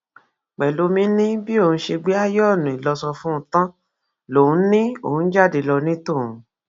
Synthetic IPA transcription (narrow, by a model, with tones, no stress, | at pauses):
k͡pɛ˨lo˨˧˦mĩ˧˦nĩ˦bi˦o˦˨ũ˧˦ʃe˧ɡ͡be˦a˦jɔ˦˨nũ˨i˨lɔ˧sɔ˧fũ˦ũ˦tã˦ | lo˨˦ũ˧˦nĩ˦o˦˨ũ˨˦n̩˦d͡ʒa˦˨de˧lɔ˧nĩ˦to˦˨ũ˨˧